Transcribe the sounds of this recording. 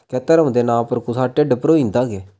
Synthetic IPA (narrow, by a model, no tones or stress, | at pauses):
kɛːt̪əɾə̃ːd̪eːnãːpəɾkusaːʈːeːɖɪpɾoːĩːnd̪aːɡeː